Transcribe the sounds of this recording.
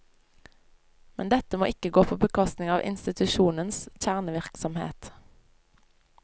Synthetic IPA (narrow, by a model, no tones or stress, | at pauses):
mɛnd̪ɛt̪əmoːɪkəɡoːpʰoːbəkʰɑst̪nɪŋɑːʋʔɪ̰nst̪ɪt̪ʉʃuːnənsc͡çæːʁnəʋɪʁksɔmhḛːt̪